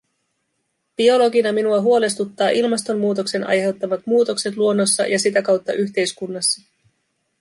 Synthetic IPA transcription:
b̥io̞lo̞ɡinɑminuɑɦuo̞le̞st̪ut̪ːɑːʔilmɑst̪o̞mːuːt̪o̞kse̞nʔɑ̰jɦe̞wt̪ːɑʋɑt̪muːt̪o̞kse̞t̪̬luo̞nːo̞sːɑ̰jɑsit̪ækɑwt̪ːɑ̰ʔyçt̪e̞jskunːɑsːɑ

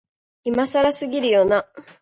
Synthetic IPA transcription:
imasaɾasɨɡʲiɾɯ̟jona

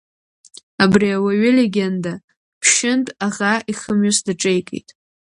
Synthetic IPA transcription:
abriawaɥɪleɡʲenda | pʰʃɪntʼaʁaiχəmɥʊsdɨʈ͡ʂʼejkʼḛjtʼ

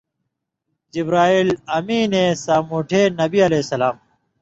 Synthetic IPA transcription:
d͡ʑibɾaːiːlɐmĩːnẽːsaːmoːʈʰeːnɐbiɐleːsɐlaːm

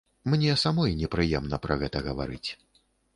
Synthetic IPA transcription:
mnʲɛsamɔjnʲɛpɾɨjɛmnɐpɾʔɐɣɛt̪ɐɣɐva̰ɾɨt͡sʲ

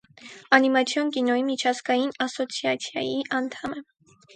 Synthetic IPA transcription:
ɑnimɑt͡sʰjɔnkinɔjimit͡ʃʰɑzɡɑjinɑsɔt͡sʰjɑt͡sʰjɑ̰jiʔɑnt̪ʰɑmɛ

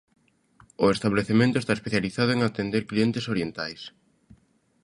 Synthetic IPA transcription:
ʊest̪aβleθemẽnt̪oʊest̪aespeθjaliθaðʊeŋat̪end̪eɾklient̪esoɾjent̪ajs

